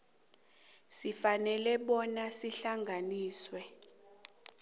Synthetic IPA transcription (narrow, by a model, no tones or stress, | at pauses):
sifanɛlɛɓɔnasiɬaŋɡʱaniːswɛ